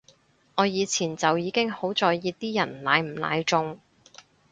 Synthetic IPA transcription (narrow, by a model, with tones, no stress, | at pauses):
ŋɔː˨˧jiː˨˧t͡sʰiː˨˩nt͡sɐ˨wjiː˨˧kɪ˥ŋho˨˥wt͡sɔː˨jjiː˨˧t̪iː˥jɐ˨˩nlaː˨˧jm̩˨˩la̰ː˨˧jt͡ʃʊ˧ŋ